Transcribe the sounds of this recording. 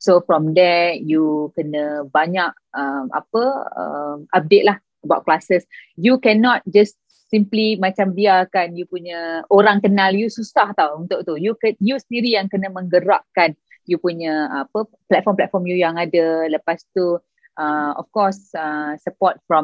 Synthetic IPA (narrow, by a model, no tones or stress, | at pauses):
sofɾɔmdɛt̚jukənə̃baɲak̚əma̰pəə̰map̚det̪̚lah | əbawʔ̚klasəsjukɛnɔt̪̚d͡ʒast | simplimãt͡ʃambiakanjupuɲəoɾaŋkənaljususaht̪awunt̪ʊʔt̪ujukəjusəndiɾijaŋkənəmə̃ŋɡəɾa̰ʔ̚kan | jupuɲəapə | plɛt̪̚fɔmplɛt̪̚fɔmjujaŋadələpast̪u | ʔəɔ̰fkɔsəsəpɔt̪̚fɾɔm